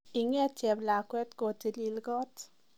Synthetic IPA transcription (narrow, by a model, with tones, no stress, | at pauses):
ɪ˨ŋɛ˦t͡ʃɛ˨bla˨kwɛ˦tkɔ˨ti˨li˨lɡɔ˦t